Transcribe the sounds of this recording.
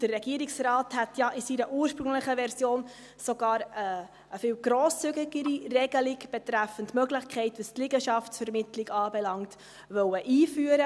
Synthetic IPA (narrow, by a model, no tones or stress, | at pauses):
d̥ərːɛɡiəɾiksrɑːthætjɑʔisiɾəʔuːɾʃpɾʉŋləχəʋɛɾsjoːn | sɔɡ̥ɑːɾəː | fɪːwɡ̥ɾɔːst͡syɡɪɡəɾirɛɡ̥əliɡb̥ɛt̪ɾæfəntmœɡlɪχkʰχɛɪtʋəstlɪɡəʃɑftsfɛɾmɪtlɪɡɑːbɛlɑŋt | ʋœwəʔiːfyːəɾə